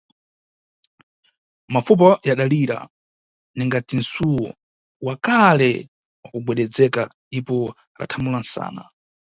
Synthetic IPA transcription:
mafup̬ɔjaɗaliɾa̰ | niŋɡad͡zin̩suwɔ̰ | wakalɛ | wakuɡwɛɗɛd͡zɛkandipɔ | la̰tʰamulansa̰ːna̰

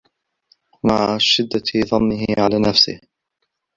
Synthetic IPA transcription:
maʕaʃɪd̪ːaðˤɑnːɪhɪʕalaːnafsɪ̰h

